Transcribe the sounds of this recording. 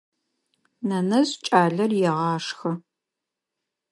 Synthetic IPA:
nɐnɐzt͡ʃʼaːɮɐrjɛʁɑːʂxɐ

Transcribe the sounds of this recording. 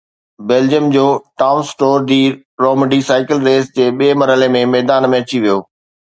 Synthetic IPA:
beːld͡ʑiəmd͡ʑoːʈaːʊnsʈoːɾɖ̪iːɾ | ɾoːmɪɖisaːɪkɪlɾeːsd͡ʑeːɓieːmɐɾɦəlemẽmɛːd̪aːnmẽːɐt͡ɕiʋijoː

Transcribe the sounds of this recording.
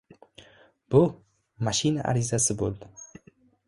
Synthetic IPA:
b̥ʊ | maʃinaʔa̰ɾizasɪbo̰lˠd̪ɪ

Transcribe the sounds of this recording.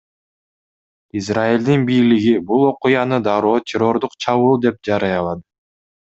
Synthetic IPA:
izrailʲd̪inbijliɡibulˠo̞qujɑnɯd̪ɑɾoːt̪ʲʰɪɾo̞ɾd̪uqt͡ʃʰɑβɯlˠd̪e̞p̚d͡ʒɑɾɑjɑlˠɑd̪ɯ

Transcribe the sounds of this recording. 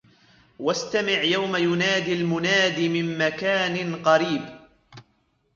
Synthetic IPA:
wast̪amɪʕjawmajʊnaːd̪ilmʊnaːd̪imɪmːakaːnɪnqɑɾiːb

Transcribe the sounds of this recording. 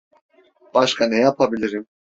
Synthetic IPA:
b̥aʃkʰanɛjapʰabilʲiɾim

